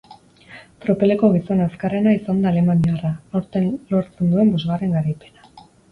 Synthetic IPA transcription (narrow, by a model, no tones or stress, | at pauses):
t̪ɾo̞pe̞le̞ko̞ɣ̞iso̞naskare̞naisand̪aːle̞maniaraoɾt̪e̞nlo̞ɾt͡se̞nd̪ue̞mbo̞zɣare̞ŋɡaɾajpe̞na